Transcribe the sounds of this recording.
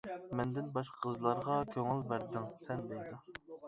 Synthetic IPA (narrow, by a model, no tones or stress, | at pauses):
mɛnd̪ɪnbɑʃqqʰəzlˠɑɾʁɑkʲʰøŋɪlbæɾd̪ɪŋsɛnd̪ejd̪u